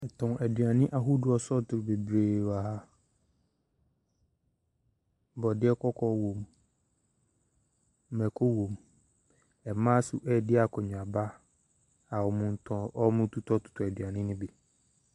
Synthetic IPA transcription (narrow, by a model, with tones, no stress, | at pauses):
ɛ˨tʰʊ̃˨ʔæ˨dɥa˨nɪ̃˦ʔa˨ɦu˦dʊ˨ɔ˨sɔ˦˨tʰʊ˨ɾbe˨bɾeː˨wa˨ɦa˦ | bɔ˨dɪ˦ɛ˦kʰɔ˦kʰɔ˦wõ˨m˦ | mɛ˨kʰo˦wõ˨m | ɛ˨mã˦sʊ˨ʔɛ˦˨dɪ˦a˨kʰɔ˨ɲᶣʊ˨a˨ba˦ | a˨wɔ˨mʊ̃˨n̩˨tʰɔ̃˨˦ʔɔ˦mʊ̃˦tʰu˦tʰɔ˦tʰʊ̥˨tʰʊ˨æ˨dɥa˨nɪ̃˦nɪ̃˦bi˨